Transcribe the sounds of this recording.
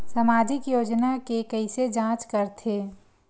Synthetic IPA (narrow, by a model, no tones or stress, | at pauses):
sɐmaːd͡ʒʱɪkjoːd͡ʒnakekəɪsed͡ʒãːt͡ʃkəɾt̪ʰeː